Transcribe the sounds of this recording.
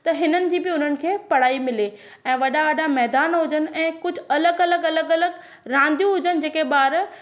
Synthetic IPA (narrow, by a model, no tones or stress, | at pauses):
t̪ɐɦɪnənɪ̆d͡ʑiːbɪʊn̤ənɪ̆kʰeːpɐɽ̤aːimɪle | ɛ̃ːʋɐɗaʋɐɗamɛɦd̪aːnɦʊd͡ʑənɪ̆ɛ̃ːkʊd͡ʑʱʊ̆ɐləɡɐləɡɐləɡɐləɡ | ɾãːn̆d̪ijũɦʊd͡ʑənɪ̆d͡ʑeːkeɓaːɾ